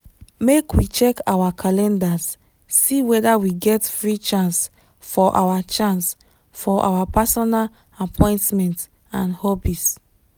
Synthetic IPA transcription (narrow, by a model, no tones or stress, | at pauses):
mekwit͡ʃɛkawakʰalɛ̃ndasː | iwɛdawiɡɛtfɹit͡ʃãns | fɔʔa̰wat͡ʃãns | fɔʔa̰wapasɔnal | apʰɔ̃ɪ̃ntmɛ̃nt | ãnhɔbis